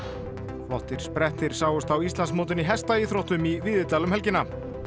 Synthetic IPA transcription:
flɔht̪ɪɾ̥spɾɛht̪ɪɾ̥saːwʏst̪awist̪lansmoːt̪ɪniɦɛst̪aiθɾowht̪ʏmivɪðɪt̪aːlʏmhɛlcɪna

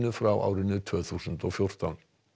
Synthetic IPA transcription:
nəfɾawʔa̰ːwɾɪnʏt̪ʰøːθuːsənt̪ɔfjʊɾ̥t̪ɔn

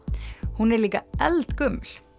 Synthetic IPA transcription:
hʊnɛɾliːkɑɛlt̪ɡʉml

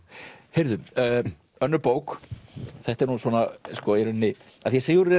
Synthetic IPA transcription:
heɾðʏmː | œnːʏɾpoːwk | θɛht̪ɛɾnusvɔːnaskɔɛɾʏnːɪ | aθjɛseːjʏɾɛ

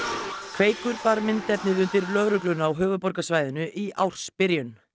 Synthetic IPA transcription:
kʰv̥eːjkʏɾpaɾmɪnt̪ɛpnɪðʏnt̪ɪɾlœːɣɾʏklʏnawɦʏːvʏðpɔɾkasvajðɪnʏʔiʔa̰wr̥spɪɾjʏn

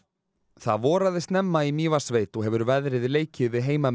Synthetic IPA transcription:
θa̰ðvɔːɾaðɪst̪nɛmːaimiːvasveːjt̪ɔɦɛvʏɾvɛðɾɪðɪleːjcʰɪvɪɦeːjmam

